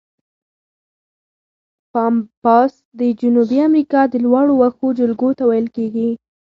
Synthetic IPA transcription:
pɑmpɑs | d̪əd͡ʒʊnubiamɾikɑd̪əlwɑɽowaxod͡ʒəlɡot̪awajəlkeɡi

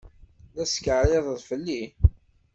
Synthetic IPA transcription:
ðæskəʕɾeðˤðfəlːi

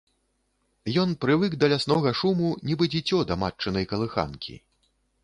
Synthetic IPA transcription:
jɔnpɾɨvɨkd̪ɐlʲasnɔɣɐʂumunʲibɨd͡zʲit͡sʲɔd̪ɐmat͡ʂːɨnɐjkɐlˠɨxa̰nkʲʰḭ

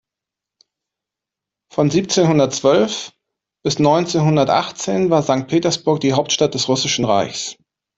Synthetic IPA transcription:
fɔnziːp̚t͡seːnhʊndɐtt͡sv̥œlf | b̥ɪsnɔʏnt͡seːnɦʊndɐtʔa̰χt͡seːnvaːɐzaŋk̚t̚pʰeːtɐsb̥ʊɐk̚d̥iːɦaʊp̚tʃtat̚d̥ɛsʁʊsɪʃn̩ʁa̰ɪçs

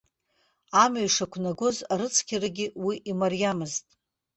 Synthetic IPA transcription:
amaɥʂakʷʰnaɡʷozaɾɨt͡sʰkʲʰaraɡʲɪwiʔimarjamɨztʼ

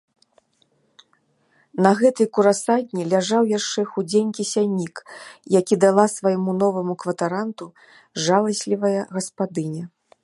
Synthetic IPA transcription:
nɐɣɛt̪ɨjkuɾasad̪ʲnʲilʲaʐawjaʂt͡ʂɛxud͡zʲenʲkʲisʲanʲːikjakʲid̪alˠasvajmunɔvɐmukvɐt̪aɾant̪u | ʐalˠɐsʲlʲivɐjɐɣɐspad̪ɨnʲɐ

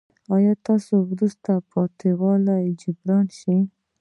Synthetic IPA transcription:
ɑjɑt̪ɑsowɾust̪apʰɑt̪ʰewɑlajd͡ʒʊbɾɑnʃi

